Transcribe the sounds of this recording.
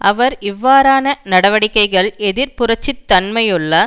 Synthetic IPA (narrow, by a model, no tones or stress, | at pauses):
ʔɐʋɐɾɪʋːaːɾaːnɐnɐɽɐʋɐɽɪkːɐɪɣɐɭɛðɪɾpʊrɐt͡ʃːɪt̪ːɐnmɐjʊɭːɐ